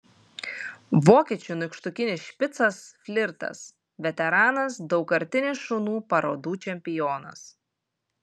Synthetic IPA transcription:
ʋoːkʲiːt͡ʃʲʊnʊkʃt̪ʊkʲɪnʲɪsʃʲpʲɪt̪sɐsfʲlʲɪɾt̪ɐ̰s | ʋʲɛt̪ʲɛɾɑːnɐsd̪ɒʊkɐɾʲt̪ʲɪnʲɪʃʊnuːpɐɾoːd̪uːt͡ʃʲɛmʲpʲɪjoːnɐ̰s

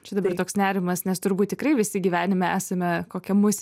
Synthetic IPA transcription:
t͡ʃʲɛd̪ɐbɐrt̪oːksnʲæːɾʲɪmɐsnʲɛst̪ʊɾbuːt̪tʲɪkɾrɐɪʋʲɪsʲɪɡʲiːʋʲæːnʲɪmʲɛæːsɐmʲɛkoːkʲɛmʊsʲ

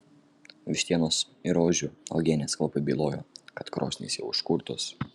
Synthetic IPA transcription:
ʋʲɪʃʲt̪ʲiɛnoːs | ɪɾoːʒʲuɐ̰ʊɡʲeːnʲeːsklˠɔpɐbʲiːlˠoːjoːkɐt̪kɾo̰ːsʲnʲḭːsʲjɛʊɪʃkʊɾt̪ʊs

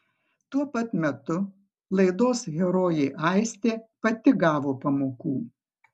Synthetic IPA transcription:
t̪uɔpɐt̪mʲɛt̪ʊ | lˠɐɪd̪oːsɣʲɛɾoːjɛɪʔɐˑɪsʲt̪ʲeːpɐt̪ʲɪɡɑːʋoːpɐmoːkuː

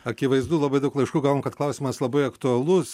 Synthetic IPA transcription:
ɐkʲiʋɐɪzd̪uːlˠɐbɐɪd̪ɐʊklˠɐɪʃkuːɡɑːʋoːmkɐt̪klˠɐʊsʲiːmɐslˠɐbɐɪɐkt̪ʊɐlˠʊs

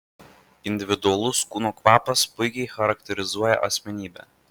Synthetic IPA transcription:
ɪnʲd̪ʲɪʋʲɪd̪ʊɐlˠʊskuːnoːkʋɑːpɐspʊɪkʲɛɪxɐɾɐk̚t̪ʲɛɾʲɪzuɔjɛ̰ʔɐsʲmʲɛnʲiːbʲɛ̰ː

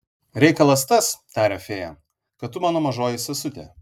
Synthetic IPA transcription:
ɾʲɛɪkɐlˠɐst̪ɐst̪ɑːɾʲɛfʲeːjɛ | kɐt̪t̪ːʊmɑːnoːmɐʒoːjɪsʲɐsʊt̪ʲḛː

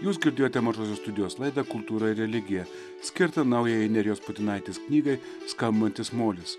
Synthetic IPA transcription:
juːs̬ɡʲɪɾʲd̪ʲeːjoːt̪ʲɛmɐʒoːs̬ʲoːst̪ʊd̪ʲɪjoːslˠɐɪd̪ɐkʊlˠt̪uːɾɐɪɾɾʲɛlʲɪɡʲɪjɛ | sʲkʲɪɾt̪ɐnɐʊjɛjɛnʲɛɾʲɪjoːspʊt̪ʲɪnɐˑɪt̪ʲɪsknʲiːɡɐɪ | skɐmʲbʲbɐnʲt̪ʲɪsmoːlʲɪs

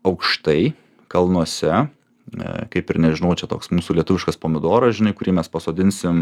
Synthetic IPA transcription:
ɐʊkʃt̪ɐɪ | kɐlˠnuɔsʲɛ | kɐɪpɪɾnʲɛʒʲɪnɐʊt͡ʃʲɛt̪oːksmuːsuːlʲiɛt̪ʊʋʲɪʃkɐspoːmʲɪd̪oːɾɐsʒʲɪnɐɪkʊɾʲiːmʲɛspɐsoːd̪ʲɪnʲsʲɪm

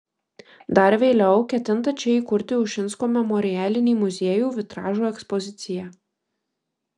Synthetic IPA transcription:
d̪ɐɾʋʲeːlʲɛʊkʲɛt̪ʲɪnt̪ɐt͡ʃʲɛiːˑkʊɾʲt̪ʲɪʊʃʲɪnskoːmʲɛmɔɾʲɪjæːlʲɪnʲiːmʊzʲeɛjuːʋʲɪt̪ɾɑːʒuːɛkspɔzʲɪt̪sʲɪjæː

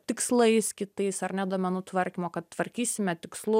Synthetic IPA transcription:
t̪ʲɪkslˠɐɪskʲɪt̪ɐɪsɐrnʲɛd̪oɔmʲɛnuːt̪ʋɐɾʲkʲiːmoːkɐt̪t̪ʋɐɾʲkʲiːsʲɪmʲɛt̪ʲɪkslˠʊ

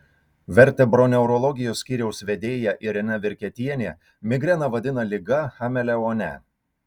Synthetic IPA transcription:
ʋʲɛɾʲˑt̪ʲɛbɾɔnʲɛʊɾɔlˠɔɡʲɪjoːsʲkʲiːɾʲɛʊsʋʲɛd̪ʲeːjɛʔɪɾʲɪnʲɛʋʲɪɾʲkʲɛt̪ʲiɛnʲeː | mʲɪɡɾʲɛnɐʋɐd̪ʲɪnɐlʲɪɡɐxɐmʲɛlʲɛoːnʲɛ̰

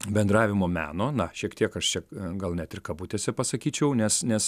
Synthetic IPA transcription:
bʲɛnd̪ɾɑːʋʲɪmoːmʲæ̰ːnoːnɐʃʲiɛkt̪ʲiɛkɐʃt͡ʃʲɛɡɐlˠnʲɛt̪ɪrkɐbut̪ʲeːsʲɛpɐsɐkʲiːt͡ʃʲɛʊnʲɛsnʲɛs

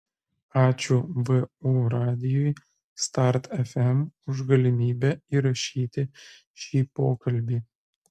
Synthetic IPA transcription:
ɑːt͡ʃʲʊʋɨuɾɑːd̪ʲɪjuj | st̪ɑɾt̪ɛfʲɛmʊʒɡɐlʲɪmʲiːbʲɛiːɾɐʃʲiːt̪ʲɪ | ʃʲiːpoːkɐlʲbʲiː

